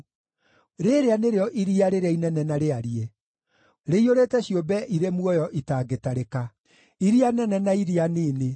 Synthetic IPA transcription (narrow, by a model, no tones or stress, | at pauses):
ɾeɾeaneɾeɔʔiɾiaɾeɾainɛnɛnaɾeaɾie | ɾeioɾeːtɛɕiobɛʔiɾemwɔjɔʔitaːɡetaɾeka | iɾianɛnɛnaiɾianeːne